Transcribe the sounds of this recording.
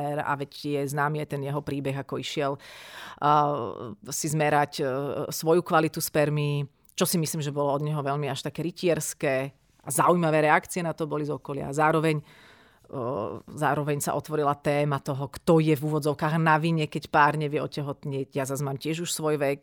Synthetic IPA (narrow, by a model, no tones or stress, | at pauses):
ɛɾa̰ʋɛcjɛznaːmiajt̪ɛnjɛɦɔpɾiːbɛɣakɔiʃɪɛl | sizmɛɾacsʋɔjukʋalit̪uspɛɾmi | t͡ʃɔsimisliːmʒɛbɔlɔɔd̪ɲɛɦɔʋɛʎmiaʃt̪akɛːɾicɪɛɾskɛː | ʔazaujmaʋɛːɾɛakt͡siɛnat̪ɔbɔlizɔkɔlɪa̰zaːɾɔʋɛɲ | zaːɾɔʋɛɲsa̰ʔɔt̪ʋɔɾilat̪ɛːmat̪ɔɦɔkt̪ɔjɛvuːʋɔd͡zɔʊkaːɣnaʋiɲɛkɛcpaːɾɲɛʋɪjɛɔcɛɦɔt̪ɲɪɛcjazazmaːmcɪɛʒuʃsʋɔjʋɛk